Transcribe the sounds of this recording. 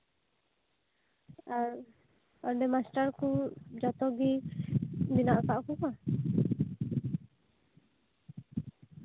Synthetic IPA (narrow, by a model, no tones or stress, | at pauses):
aɾ | aɾɖɛmasʈaɾkud͡ʒat̪ɔɡi | binaʔkaʔkuka